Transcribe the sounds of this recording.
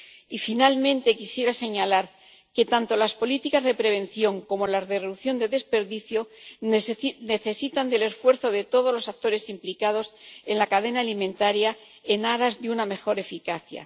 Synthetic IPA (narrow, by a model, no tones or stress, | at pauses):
ifinalmẽ̞nt̪e̞kisje̞ɾase̞ɲalaɾ | ke̞t̪ant̪o̞laspo̞lit̪ikazðe̞pɾe̞β̞ẽ̞nθjo̞ŋko̞mo̞lazðereðuθjo̞nd̪e̞ðe̞spe̞ɾðiθjo̞ | ne̞θe̞sit̪and̪e̞le̞sfwe̞ɾθo̞ðe̞t̪o̞ð̞o̞zlo̞sak̚t̪o̞ɾe̞simplikað̞o̞se̞nlakaðe̞naːlimẽnt̪aɾja | e̞naɾazðeuname̞xo̞ɾe̞fikaθja̰